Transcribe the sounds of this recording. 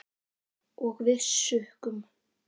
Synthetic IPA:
ɔɣvɪsʏhkʏm

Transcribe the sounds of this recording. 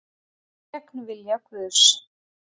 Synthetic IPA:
ɛknvɪljakvʏs

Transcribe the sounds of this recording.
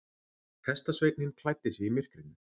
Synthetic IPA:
hɛst̪asveːjt̪nɪnkʰlajt̪ːɪsjɛimɪr̥kɾɪnʏ

